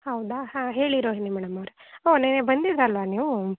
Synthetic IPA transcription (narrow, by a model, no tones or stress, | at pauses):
hɐwd̪ahãːɦe̞ːɭiɾoːɦinimɛːɽɐmɐʋɾeoːnenebɐnd̪id̪ɾɐlʋaniːʋu